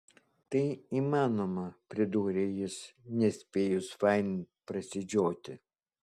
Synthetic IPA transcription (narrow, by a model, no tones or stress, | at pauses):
t̪ɐɪiːmɑːnomɐpʲɾʲɪd̪uːɾʲejɪsnʲɛsʲpʲeːjʊsfɑɪnʲ | pɾɐsʲɪd͡ʒʲoːt̪ʲɪ